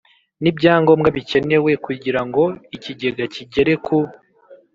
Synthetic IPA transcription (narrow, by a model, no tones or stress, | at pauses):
nibɟaːŋɡo̞ːmɡaβice̞ne̞we̞kuɟiɾaŋɡo̞iciɟe̞ɡaciɟe̞ɾe̞kʰu